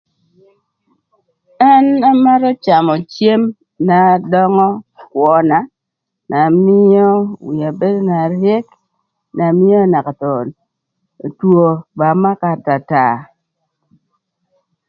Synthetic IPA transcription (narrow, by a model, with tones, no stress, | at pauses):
a˦na˦ma˦ɾɔ˦t͡ʃa˨mɔ˨t͡ʃe˦m | na˨dɔ˦ŋɔ˦kwɔ˨na˨ | nʔa˨mɪ˦ɔ˦wi˨a˨be˦do˦na˨ɾje˦k | na˨mɪ˦o˦na˨ka˨tɔ˨ | two˨ba˨ma˦ka˨ta˨ta˨